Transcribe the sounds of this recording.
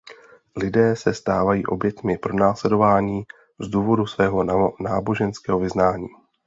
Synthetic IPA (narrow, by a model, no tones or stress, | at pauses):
lɪdɛːsɛst̪aːvajiːʔo̞bjɛt̪mɪpɾo̞naːslɛdo̞vaːɲiː | zduːvo̞dusvɛːɦo̞naːbo̞ʒɛnskɛːɦo̞vɪznaːɲiː